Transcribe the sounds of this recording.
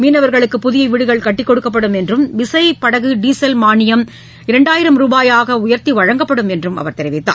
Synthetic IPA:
miːnɐʋɐɾɣɐɭɯkːɯpʊðɪjɐʋɪɽɯɣɐɭkɐʈːɪkːɔɽɯkːɐp̬ːɐɽɯmɛndrɯmʋɪsɐɪpɐɽɐɣɯɖiːsɐlmaːnɪjɐm | ɪɾɐɳɖaːjɪɾɐmɾuːbaːjaːɣɐʊjɐɾt̪iʋɐɻɐŋɡɐpːɐɽɯmɛndrɯmɐ̰ʋɐɾt̪ɛɾɪʋɪt̪ːa̰ː

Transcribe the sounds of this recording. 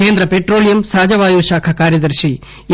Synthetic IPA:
eːnd̪ɾɐpeʈroːlijɐmsaːd͡ʑɐʋaːjoːʃaːkʰɐkaːɾjɐd̪ɐɾʃi

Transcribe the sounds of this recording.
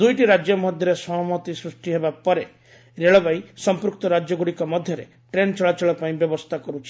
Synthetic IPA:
d̪ujʈiɾad͡ʒjɔmɔd̪ʱjɔɾesɔɦmɔt̪isɾusʈiɦebapɔɾe | ɾeɭɔbajsɔmpɾukt̪ɔɾad͡ʒjɔɡuɽikɔmɔd̪ʱjɔɾe | ʈɾent͡ʃɔɭat͡ʃɔɭɔpaĩbjɔbɔst̪ʰakɔɾut͡ʃʰi̥

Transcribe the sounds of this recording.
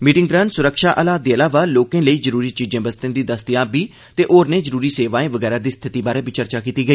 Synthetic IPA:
miːʈɪ̃ŋɡd̪ɾənsʊɾəkʃaːʔəlaːd̪eːəlaːʋaːloːkẽːləiːzəɾuːɾiːt͡ʃiːd͡ʒẽːbəst̪ẽːd̪iːd̪əst̪ɪjãːbiː | t̪eːʔoːɾneːzəɾuːɾiːseːʋaːẽːʋəɡɛːɾaːd̪iːst̪ʰɪt̪iːbaːɾeːbɪt͡ʃəɾt͡ʃaːkiːt̪iːɡəiː

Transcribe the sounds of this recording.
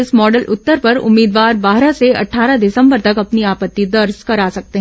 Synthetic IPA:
ɪsmɔːɖəlʔʊ̰t̪ːəɾpɐɾʊ̰mːiːd̪ʋaːɾbaːɦɾaseɐ̰ʈʰːaːɾadɪsə̃mbəɾt̪ɐkɐpniaːpət̪ːid̪ɐɾskɐɾaːsɐk̚t̪eɦ

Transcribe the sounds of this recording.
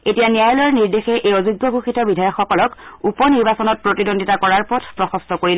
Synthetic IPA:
etijanijajɔlɔɹniɹdexɛʔejɔzuɡːɔbʱuxitɔbidʱajɔkxɔkɔlɔkupɔniɹbasɔnɔt̚pɹotidondʱitakɔɹaɹpɔtʰpɹɔxɔstɔkoɹilɛ

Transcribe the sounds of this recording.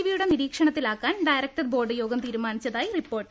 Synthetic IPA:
iʋijuɽe̞niɾiːkʂɐɳɐt̪ːilaːkːaːnɖɐjɾɐk̚ʈɐðbo̞ːɖɨjo̞ːɡɐmt̪iːɾumaːnit͡ɕːɐðaːjiripːo̞ːrʈ

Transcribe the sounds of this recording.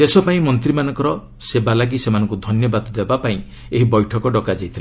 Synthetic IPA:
esɔpaĩmɔnt̪ɾimanɔ̃ŋkɔɾɔ | sebalaɡisemanɔ̃ŋkud̪ʱɔnjɔbad̪ɔd̪ebapaĩ | eɦibɔjʈʰɔkɔɖɔkad͡ʒajt̪ʰila

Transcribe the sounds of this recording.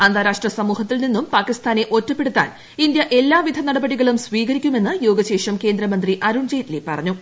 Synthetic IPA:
ɐnd̪ʱaːɾaːʂʈrɐsɐmuːhɐt̪ːilninːumpaːkist̪ʰaːne̞ʔo̞tːɐpːe̞ɽut̪ːa̰ːn | ind̪jɐʔe̞lːaːʋid̪ʱɐnɐɽɐbɐɽiɣɐɭumsʋiːɣɐɾikʲːume̞nːɨjo̞ːɡɐɕe̞ːʂɐmke̞ːnd̪ɾɐmɐnd̪riʔɐɾuːnd͡ʑejt̪ːilepːɐrɐɲːu

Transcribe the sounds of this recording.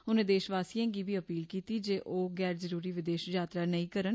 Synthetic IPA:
ʊnẽːd̪eːʃʋaːsijãːɡiːbiːəpiːlkiːt̪iːd͡ʒeːʔʔoːɡɛːɾzəɾuːɾiːʋɪd̪eːʃd͡ʒaːt̪ɾaːnəĩːkəɾən

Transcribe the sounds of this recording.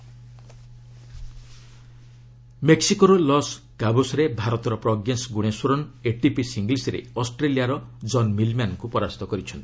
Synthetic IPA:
meksikɔɾulɔs | kabusɔɾebʱaɾɔt̪ɔɾɔpɾɔɡjensɡuɽ̃eswɔɾɔneʈipisiŋɡlisɾḛɔsʈɾelijaɾɔ | d͡ʒɔnmilmankupɔɾast̪ɔkɔɾit͡ʃʰɔnt̪i̥

